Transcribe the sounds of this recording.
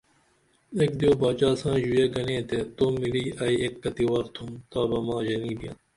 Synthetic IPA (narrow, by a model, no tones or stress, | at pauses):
eːk̚d̪ijoːbaːt͡ɕaːsãːʑujeːɡɐnẽːt̪et̪oːmiliːʔɐːieːkːɐt̪iwaːɾt̪ʰũmt̪aːbɐmãːʑɐnĩːbijã̰ː